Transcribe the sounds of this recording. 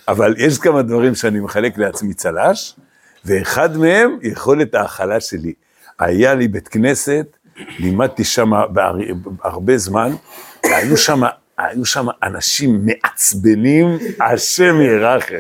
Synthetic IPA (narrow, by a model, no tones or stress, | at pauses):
avalje̞ʃ̬kamad̪vaʁimʃeanimeχale̞kleat͡smit͡salaʃ | ve̞ːχad̪me̞he̞mjeχo̞le̞t̪aːχalaʃe̞li | a̰jalibet̪kne̞se̞t̪ | limad̪̚t̪iʃamaba̰aʁbe̞zmanvea̰juʃama | ajuʃamaʔanaʃimːe̞ʔat͡sbe̞nimaʃe̞mjeʁaχe